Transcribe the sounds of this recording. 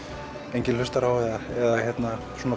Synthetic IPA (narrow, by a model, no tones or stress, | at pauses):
ejɲcɪnʏst̪aɾawɛðaɛðaçjɛt̪na | suːna